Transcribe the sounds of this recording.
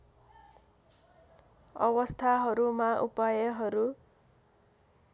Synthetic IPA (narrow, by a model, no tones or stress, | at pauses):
ʌ̰wʌst̪ʰaɦʌɾumaʔupajʌɦʌɾu